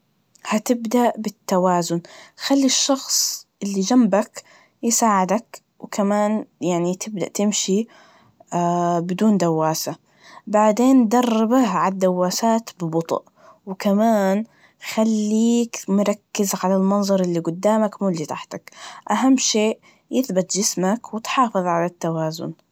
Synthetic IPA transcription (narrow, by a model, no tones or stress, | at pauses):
hat̪ɪbd̪aʔbɪt̪ːawaːzʊnxalːiʃːɑxsˤʔɪlːid͡ʒambak | jɪsaːʕɪd̪ak | wkʰamaːnjaʕnit̪ʰɪbd̪aʔt̪ɪmʃi | bɪd̪uːnd̪awːaːsa | baʕd̪eːnd̪ɑrˤːɪbahʕad̪ːawːaːsaːt̪bɪbʊt̪ˤʔ | wɪkamaːn | xalːiːkmʊɾˤɑkːɪzaʕalalmɑnzˤɑɾˤʔɪlːiɡʊd̪ːaːmakmuːlːit̪aħt̪akʔaɦamːʃeːʔ | jɪθbɪt̪d͡ʒɪsmakwɪt̪ħɑːfɨðˤʕalat̪ːawaːzʊ̰n